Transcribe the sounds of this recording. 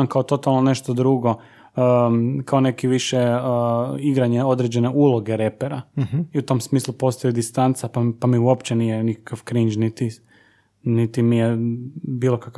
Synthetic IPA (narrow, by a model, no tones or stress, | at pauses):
mkaot̪o̞t̪alˠnone̞ʃt̪od̪ɾuɡo̞ | əkʰaone̞kiʋiʃe | iɡɾaɲeo̞d̪ɾed͡ʑe̞ne̞ʔulˠo̞ɡeɾe̞peɾaiut̪o̞msmiːslupo̞st̪ojid̪ist̪ant̪sapapamiuo̞pt͡ɕenijenikḁkaʋkɾind͡ʒnit̪i | nit̪imijebiːlˠo̞kak